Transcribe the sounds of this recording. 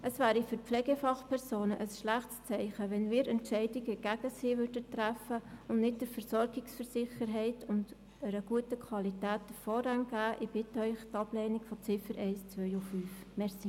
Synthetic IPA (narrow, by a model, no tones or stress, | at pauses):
ʔəsvæːɾifyɾpflɛɡɛfɑχpʰɛɾsoːnəʔəsʃlæχtst͡sɛɪχəʋɛnmiːɾɛntʃɛɪdɪɡəɡ̥æɡ̥əsiːʋʏɾdətɾæfəʊnnɪt̚d̥əɾfəɾsɔɾɡɪksfəɾsɪχəɾɦɛɪtʊnd | əɾəɡ̥uətəkʰwɑlitæːtːəfɔɾɛŋɡ̥æːʔɪb̥ɪtœʏχtɑblɛɪnɪɡ̥fɔt͡sɪfəɾʔɛɪst͡sʋœʏʊffyːf | mɛʁsi